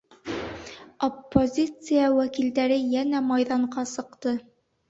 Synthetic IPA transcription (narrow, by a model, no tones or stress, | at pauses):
opːozʲit̪sɨjawækild̪æɾɘjænæmɑjðɑɴqɑsɤ̆qt̪ɤ